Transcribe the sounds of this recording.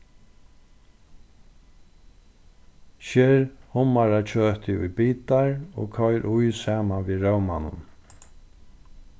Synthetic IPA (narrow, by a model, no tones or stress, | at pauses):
ʃɛːɾhʊmaɾat͡ʃʰøːt̪ʰɪʊ̰jbiːt̪aɹo̰ːkʰɔjɾʔʊjsaːmanviɾœwmanʊ̰n